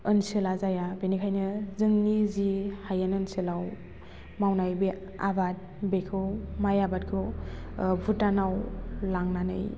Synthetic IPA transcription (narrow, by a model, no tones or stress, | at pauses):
ɯnsɯlazajabenikʰajnɯzɯŋnizihajanɯnsilaw | mawnajbe | a̰bat̚ | bekʰɯwmajabat̚kʰɯw | bʱutanawlaŋnanɯ̰j